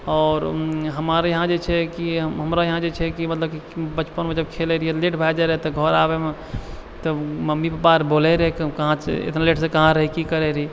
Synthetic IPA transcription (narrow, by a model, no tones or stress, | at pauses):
ɔːɾɦəmaɾjəɦãd͡ʒet͡ʃʰɛkiɦəmɾajɐɦãd͡ʒet͡ʃʰɛkimət̪ləb̚kibət͡ʃpənmẽd͡ʒəb̚kʰeleɾieleʈʰbʱajd͡ʒaɾəɦt̪ɔɡʱɔɾaːbemẽ | t̪oməmːipəpaɾboːleɾɦɛkkəɦãt͡ʃḛḛt̪naleʈʰsekəɦãɾəɦikikəɾeɾi